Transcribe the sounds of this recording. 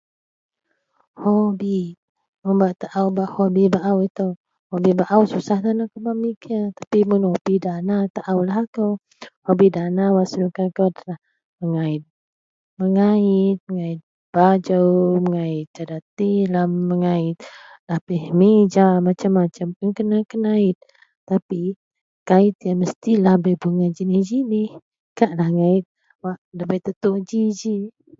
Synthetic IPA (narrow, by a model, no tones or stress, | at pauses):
hobi | məmbaʔt̪aʔawbahobibaʔawit̪ow | hobibaʔawsusahdanakəbamikat̪ḁpimunhobidanat̪aʔawlaɦakəw | hobidanawaslukakodalah | məŋaɪt̪̚ | məŋaɪt̪̚məŋait̪̚ | b̥ad͡ʒəwməŋaɪt̪̚d͡ʒadat̪ilahəŋaɪt̪̚lahbihmed͡ʒamat͡ʃamːat͡ʃəmaŋkənakənaɪt̪̚ː | api | kait̪̚ijanməst̪ilahbəbuŋad͡ʒinid͡ʒinih | kaʔlahŋait̪̚ | waʔdabəjt̪ət̪uʔd͡ʒid͡ʒi